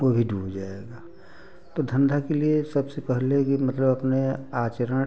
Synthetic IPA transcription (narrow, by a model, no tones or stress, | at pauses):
ʋobʱiɖʱuːbd͡ʒaːeɡaː | t̪od̪ʱə̃nd̪ʱakeliesɐbsepɛɦlekimɐt̪ləbɐpneaːt͡ʃəɾə